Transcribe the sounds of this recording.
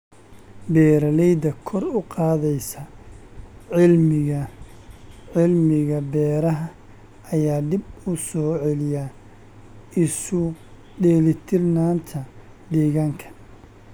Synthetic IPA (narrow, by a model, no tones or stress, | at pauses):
bɛːɾɐlɛjd̪ɐkʰɔrʊqɑːðɛjsɐ | lɪɐ | ʕɪlmɪɣɐbɛːɾɐɦɐ | ɐjaːd̪ɪbʊsɔːʕɛlɪja | ɪsʊ | ɖɛːlɪt̪ʰɪrnaːnt̪ʰɐ | d̪ɛːɣaːŋkʰɐ̥